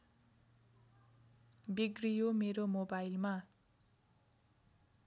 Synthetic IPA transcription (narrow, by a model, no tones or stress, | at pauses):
biɡrijomeɾomobajlma